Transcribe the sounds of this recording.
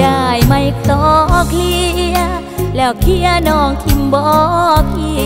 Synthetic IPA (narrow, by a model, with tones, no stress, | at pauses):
aː˧˩jma˧jk̚t̪ɔː˨˩k̚li˧˨ə˧ | lɛː˧˩wkʰi˧˥ənɔː˧˩ŋt̪ʰi˧˩mbɔː˧˩k̚ʔi˧˩